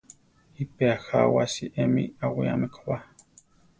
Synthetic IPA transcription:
ipeaxawasiʔemiawija̰mekwa

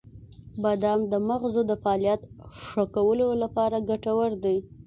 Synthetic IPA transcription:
bad̪amd̪əmaɣzod̪əfaɑlijat̪ʂakawəlolapɑɾaɡaʈawaɾd̪aj

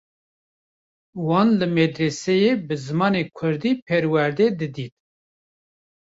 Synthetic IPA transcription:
wɑːnlɨmɛd̪ɾesɛjebɨzɨmɑːnekʷʰʊɾd̪iːpʰɛɾwæɾd̪ɛd̪ɨd̪iːt̪̚

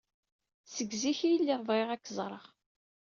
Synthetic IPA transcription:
səɡziçijlːiðˤvˤʁeʁækːzˤɾˤəʁ

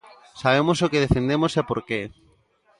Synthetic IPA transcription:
saβ̞emosokeð̞efend̪emosapoɾke

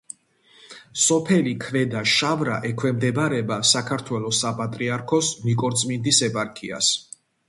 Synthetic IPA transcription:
sɔpʰɛlikʰvɛd̪aʃavɾaʔɛkʰwɛmd̪ɛbaɾɛbasakʰaɾt̪ʰwɛlɔsapʼat̪ʼɾiaɾkʰɔsnikʼɔɾt̪sʼmind̪isɛpʼaɾkʰia̰s

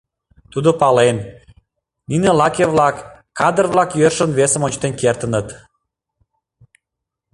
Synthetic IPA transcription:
t̪ud̪opɑlen | ninelɑkʲeβlɑkː | ɑd̪ərβlɑkjørʃənβesəmonʲt͡ɕt̪enkert̪ənət̪

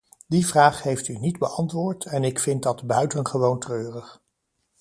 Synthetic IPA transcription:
divraːχhejftynidbəʔɑntʋʊːɹtʰɛnɪkfɪnt̚dɑdbœɥtənχəʋowntrøːrəχ

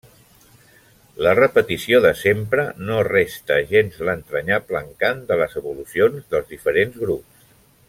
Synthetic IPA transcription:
lərəpət̪isioðəsempɾənorest̪əʒenzlənt̪ɾəɲapləŋkand̪ələzəβulusionzðəlˠzðifəɾenzɣɾups

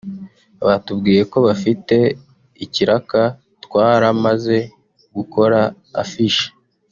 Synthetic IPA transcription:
aβatubɡiːje̞ko̞βafite̞ | iciɾaka | tkwaːɾamaze̞ | ɡuko̞ɾa̰ː | fiʃe̥

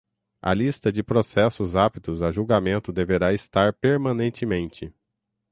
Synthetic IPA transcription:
ɐ̰list̪ɐd͡ʒɪpɾosɛsʊzapit̪ʊzɐʒuwɡamẽnt̪ʊd̪eveɾaɪst̪aɾpeɾmɐ̃nẽnt͡ʃɪmẽnt͡ʃɪ

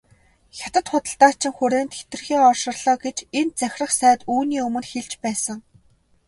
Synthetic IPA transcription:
xʲat̪ə̆t̪χʊt̪ə̆ɬt̪aːt͡ɕʰɪ̆ŋxʊɾeːnt̪xe̥t̪ɘ̆rxiːŋɔrʃɪ̆rɮ̥ɔːɡet͡ɕen̚t͡sæxʲrə̆χsæːt̪uːniːɵmɵ̆nxeɮt͡ɕpæːsə̆ŋ

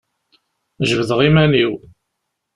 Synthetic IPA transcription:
ʒəvðəʁimæniw

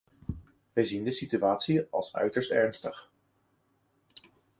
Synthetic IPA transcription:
ʋɛjzindəsityaːtsiɑ̰lˠsœ̰ɥtəɹstɛɹnstəχ

